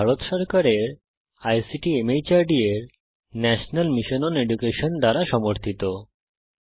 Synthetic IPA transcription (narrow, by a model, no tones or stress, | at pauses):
bʱaɾot̪ʃɔɾkaɾeɾ | ajsiʈiemejt͡ɕaɾɖieɾ | nɛʃonalmiʃonɔneɖukeʃond̪aɾaʃɔmoɾt̪ʰit̪o